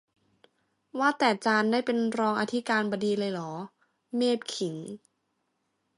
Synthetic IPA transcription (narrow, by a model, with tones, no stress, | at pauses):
waː˥˩t̪ɛː˨˩t͡ɕaː˧ndaː˥˩jpe˧nɾɔː˧ŋʔa˧t̪ʰi˦˥kaː˧nbɔː˧diː˧lɤː˧jlɔː˩˦ | meː˥˩p̚kʰi˩˦ŋ